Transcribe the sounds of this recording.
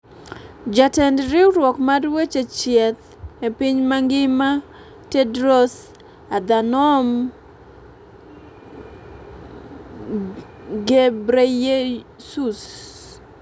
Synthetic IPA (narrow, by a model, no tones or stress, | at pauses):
d͡ʒatɛndɾiwɾwɔkmadwet͡ʃet͡ʃjɛt̪̚ | epiɲmaŋɡɪma | tɛdɾos | ad̪anɔm | ɡebɾejesus